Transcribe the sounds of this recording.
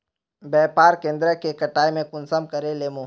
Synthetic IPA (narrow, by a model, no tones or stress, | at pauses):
bɛːpaːɾkẽːnd̪ɾəkekɐʈaːjmẽkʊnsəmkəɾeleːmõː